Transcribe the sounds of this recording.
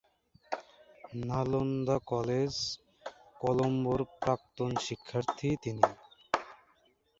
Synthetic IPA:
nalond̪akɔled͡ʑ | kɔlomboɾpɾak̚t̪onʃikʰːaɾt̪ʰit̪ini

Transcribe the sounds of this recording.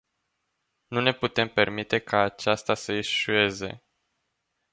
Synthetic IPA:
nune̞put̪e̞mpe̞rmit̪e̞kʰaːt͡ʃast̪asəiʃue̞ze̞̰

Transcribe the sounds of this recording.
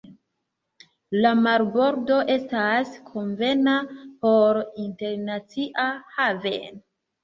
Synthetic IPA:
lamaɾbo̞ɾdo̞ʔe̞staskʰo̞nve̞napo̞ɾinte̞ɾnat͡siʔahavḛn

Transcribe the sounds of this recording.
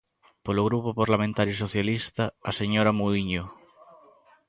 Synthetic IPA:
poloɣ̞ɾupopaɾlamẽnt̪aɾjusoθjalist̪aaseɲoɾamuðiɲo

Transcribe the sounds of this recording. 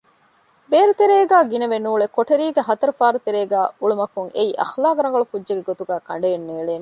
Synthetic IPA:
beːɾut̪eɾeːɡæːɡinɐʋenuːɭekoʈeɾiːɡeɦɐt̪ɐɾufaːɾut̪eɾeːɡæːuɭumɐkuŋeiʔɐ̰xlaːkɾɐŋɡɐɭukudːd͡ʒeɡeɡot̪uɡæːkɐɳɖeenːeːɭeːne

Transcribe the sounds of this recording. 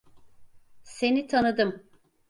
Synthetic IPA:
se̞nit̪ʰanɯd̪ɯm

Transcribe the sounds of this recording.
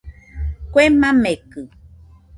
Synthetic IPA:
kʷemãmekɨ

